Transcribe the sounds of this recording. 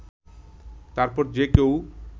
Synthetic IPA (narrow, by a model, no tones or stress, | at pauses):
t̪aɾpɔɾd͡ʑekew